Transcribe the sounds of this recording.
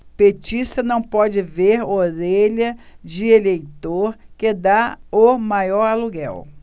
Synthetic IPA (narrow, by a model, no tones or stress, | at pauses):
pet͡ʃist̪ɐnɐ̃w̃pɔd͡ʒɪveɾoɾeʎɐd͡ʒɪelejt̪oɾkɪd̪aomajɔɾaluɡɛw